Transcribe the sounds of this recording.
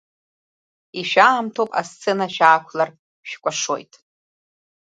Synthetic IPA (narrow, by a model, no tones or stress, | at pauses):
iʃᶣaːmtʰowpʼa̰st͡sʰenaʃᶣaːkʷʰlar | ʃᶣkʷʼaʂo̰jtʼ